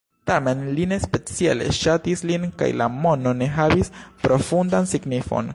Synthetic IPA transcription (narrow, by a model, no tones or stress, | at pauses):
tame̞nline̞spe̞t͡siale̞̰ʃatislinka̰jlʔa̰mo̞no̞ne̞ɦavispɾo̞fundansiɡnifo̞̰n